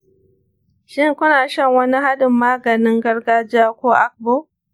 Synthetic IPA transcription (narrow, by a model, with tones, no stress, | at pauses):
ʃɪ˦˨ŋkʷʊ˦naː˨ʃɐ˦˨ŋwɐ˦ni˦ha˦dʊ˨mːaː˦ɡɐ˨nɪ˦ŋɡɐ˦rɡaː˦d͡ʒɪ˦aː˦kʷoː˦ʔa˦k̚boː˦˨